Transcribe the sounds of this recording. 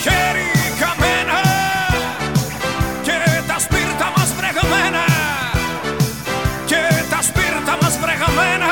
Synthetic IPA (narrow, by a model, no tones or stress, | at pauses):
keɾikamena | ket̪aspiɾt̪amasfɾeɣamena | ket̪aspiɾt̪amasfɾeɣamena